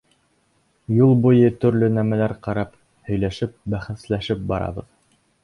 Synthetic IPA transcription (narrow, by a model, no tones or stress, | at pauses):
julˠbujɤt̪ɵ̆ɾlɵnæmælæɾqɑɾɑp | hɵ̆jlæʃɘp̚bæχɘ̆slæʃɘp̚bɑɾʔɑ̰βɤ̰ð